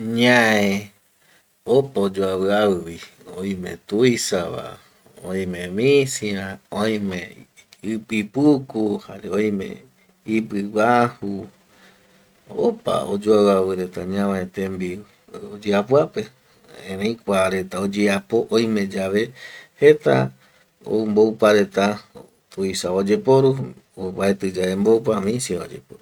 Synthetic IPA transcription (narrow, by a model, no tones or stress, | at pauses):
ɲãẽ | opaod͡ʒoaβɨaβɨβi | oj̃mḛ̃t̪uisaβa̰ | õ̰j̃mẽmĩsiɾãoj̃mẽɨpɨpukuhaɾeõj̃mḛ̃ | ipɨwahu | o̰pa̰o̰d͡ʒoawawɨɾe̞t̪aɲãβãet̪ẽmbiu | od͡ʒeapwape | ẽɾẽĩkʷaɾe̞t̪aod͡ʒeapoʔõj̃mẽd͡ʒaβehet̪a̰ | o̰mbowpaɾet̪a | t̪uisaod͡ʒepoɾu | oβaet̪ɨd͡ʒaembowp̬amĩsiao̰d͡ʒḛpoɾu